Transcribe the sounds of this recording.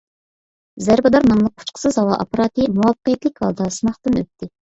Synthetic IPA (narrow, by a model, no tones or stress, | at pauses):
zæɾbɨd̪ɑɾnɑŋlˠəq̚ːʰʊ̥t͡ʃqʰə̥sɨzhɑwɑʔɑ̰pɑɾɑt̪ɨmuwɑpːə̥qəjɛt̪lɪkʲhɑ̰lˠd̪ɑsɨnmɑχt̪ɨnø̰p̚t̪ʰːɪ